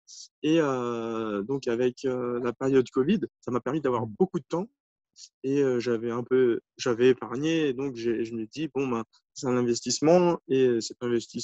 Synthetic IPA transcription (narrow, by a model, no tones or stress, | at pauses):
eø | d̪ɔ̃kavɛkʰølapeʁjɔd̪kɔvid̪samapɛʁmid̪avwaʁbokud̪ət̪ɑ̃ | eøʒavɛɛ̃pø | ʒavɛepaʁɲeːd̪ɔ̃kʒeʒəmɛd̪ibɔ̃bɛ̃ | sɛ̥t̪ɛ̃nɛ̃vɛst̪ismɑ̃eøsɛt̪ɛ̃vɛst̪is